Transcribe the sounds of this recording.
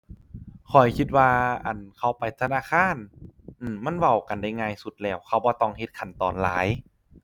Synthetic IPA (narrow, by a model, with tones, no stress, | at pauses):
kʰɔ˨˩jkʰi˧t̪̚waː˧ʔa̰˨˩nkʰa˧˩wpa˨jt̪ʰa˧naː˧˥˨kʰaː˧˥˨nʔɯ˧˩ma˧˥˨nwa˧˩wka˨˩nda˧˥˩jŋaː˧˨jsu˧˦t̪̚lɛː˧˩wkʰa˧˩wbɔː˧˦t̪ɔː˧˨ŋhe˧˦t̪̚kʰa˨˩nt̪ɔː˨˩nla̰ː˨˦j